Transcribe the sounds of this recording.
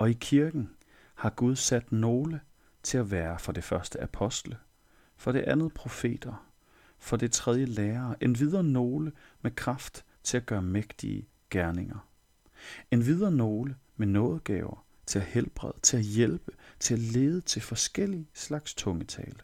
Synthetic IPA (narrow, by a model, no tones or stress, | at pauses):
ɒ̽ikʰiɐɡ̥n̩ | hɑ̈ɡ̥uð̞ˠsæd̥no̝ːlə | t͡sʰe̝læʋæːɐfɒ̽d̥e̝fɶɐsd̥əæpʰɒ̽sd̥lə | fɒ̽ɾ̥e̝ʔænð̩ˠpʰʁo̝fe̝̰ːd̥ɐ | fɒ̽d̥e̝t͡sʰʁɛð̞ˠjəleːɐːʔe̝nʋið̞ˠɐno̝ːləmekʰʁɑfd̥ | t͡sʰe̝læɡ̥ɶːɐmeɡ̥d̥ḭə | ɡ̥æɐne̝ŋɐ | e̝nʋið̞ˠɐno̝ːləmenɔ̽ːð̞̩ˠɡ̥ɛ̰ːʊɐ | t͡sʰe̝læhelb̥ʁɛ̰ðˠət͡sʰe̝læjelb̥ət͡sʰe̝læle̝ːð̞ˠət͡sʰe̝lfɒ̽sɡ̥el̰islɑ̈ɡ̥st͡sʰɔ̽ŋət͡sʰɛ̰ːlə